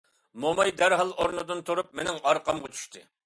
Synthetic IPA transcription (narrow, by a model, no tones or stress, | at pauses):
momɑjd̪æɾɦɑlˠoɾnɨd̪ɨnt̪ʰuɾup̚menɪŋɑɾqʰɑmʁɑt͡ʃʰy̥ʃt̪ʰɨ